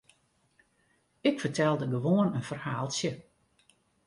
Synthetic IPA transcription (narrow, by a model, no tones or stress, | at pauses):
ɪkfərtʰɛlˠdəɡəʋoənənfərhaːlˠsjə